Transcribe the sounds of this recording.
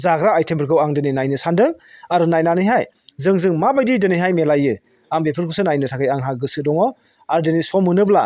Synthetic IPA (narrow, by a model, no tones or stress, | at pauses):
zaɡɾaːjtʰempʰɯɾɡɯwaŋdɯninajnɯsandɯŋaɾɯnajnanɯjɦaj | zɯŋzɯŋmabajdidɯnɯjɦajmelajɯ | aŋbepʰɯɾkʰusɯnajnɯtʰakʰɯjaŋɦaɡɯsɯdɔŋɔ | aɾɯdɯnisɔmɯnɯbla